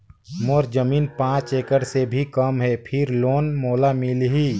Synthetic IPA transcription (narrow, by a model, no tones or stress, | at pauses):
moɾd͡ʒəmiːnpãːt͡ʃeːkəɽsebʱikəmɦɛpʰɪɾloːnmoːlamɪlɦi